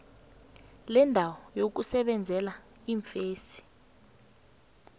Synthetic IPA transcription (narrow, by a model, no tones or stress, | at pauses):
lɛndʱawɔjok̬usɛɓɛnd͡zʱɛla | iɱfeːsi̥